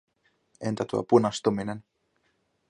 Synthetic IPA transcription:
ʔent̪æt̪uo̰punɑst̪uminen

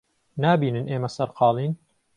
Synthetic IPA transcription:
naːbiːnɨnʔeːmɐsɐɾqɑːlˠiːn

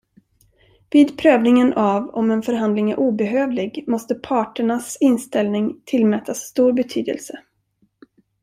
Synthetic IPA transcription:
viːd̪pʰɾøːvnɪŋənʔavɔ̰mɛnfœɾɦand̪lɪŋæɾʔuːbɛɦøːvlɪɡmɔst̪əpʰɑːʈəɳasɪnst̪ɛlnɪŋt̪ʰɪlmɛːt̪ʰasːt̪uːɾbɛt̪ʰyːd̪ə̰lsə

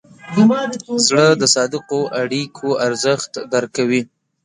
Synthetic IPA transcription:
zɽəd̪əsɑd̪ɪqoʔaɽikʰoaɾzəxt̪d̪aɾkawi

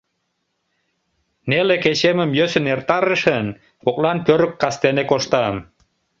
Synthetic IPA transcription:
neleket͡ɕeməmjøsə̆nert̪ɑɾəʃən | kok̚lɑnpøɾəkːɑst̪enekoʃt̪ɑm

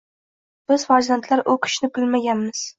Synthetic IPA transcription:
b̥ɪz̥faɾzjant̪ʰlaɾʔʊkʲʰɪ̥ʃnɪbɪlmaɡʲanmɪz̥

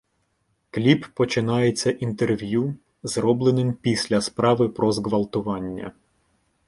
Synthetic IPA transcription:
klʲipːɔt͡ʃɪnɑjet͡sʲːɐʔint̪erʋʲju | zɾɔblˠenɪmpʲisʲlʲɐspɾɑʋɪpɾɔzɡʋɐlˠt̪ʊʋɑnʲːɐ̰

